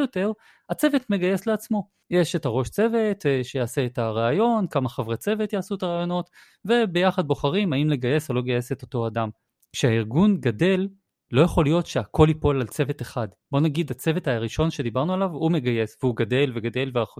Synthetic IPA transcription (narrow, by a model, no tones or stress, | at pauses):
jote̞ʁ | at͡se̞vetme̞ɡaje̞sleat͡smo̞ | jeʃetaʁo̞ʃt͡se̞ve̞tʃejaːse̞ːtaʁaajo̞nkamaχavʁet͡se̞vetjaːsuetaʁaːjo̞no̞t | ve̞be̞jaχad̪̚bo̞χaʁimaimle̞ɡaje̞salo̞ɡaje̞seto̞to̞adam | kʃeaiʁɡunɡade̞lː | o̞jaχo̞lijo̞tʃeako̞lipo̞lalt͡se̞veteχad | bo̞naɡid̪at͡se̞vetaʁiʃo̞nʃe̞d̪ibaʁnualavume̞ɡaje̞sveuɡade̞lveɡade̞lveaχ